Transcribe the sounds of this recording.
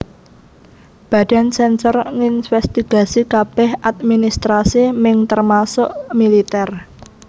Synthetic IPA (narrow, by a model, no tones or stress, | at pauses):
b̥ä̤d̥a̤nsɛnsɔrŋinfɛst̪iɡ̥a̤sikab̥ɛhat̪̚minist̪ɾasimɪŋt̪ərmasʊʔmilit̪ɛr